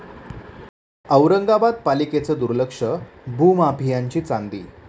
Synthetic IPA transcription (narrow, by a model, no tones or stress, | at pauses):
əʋɾəŋɡabad̪̚paliket͡səd̪uɾləkʂəbʱumapijaɲt͡ɕiːt͡sand̪ḭː